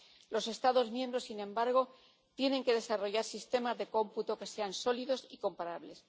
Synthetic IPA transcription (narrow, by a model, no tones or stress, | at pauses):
lo̞se̞st̪aðo̞zmje̞mbɾo̞sinẽ̞mbaɾɣ̞o̞ | t̪je̞nẽ̞ŋke̞ðe̞saro̞ʝaɾsist̪e̞mazðe̞ko̞mput̪o̞ke̞se̞anso̞liðo̞siko̞mpaɾaβle̞s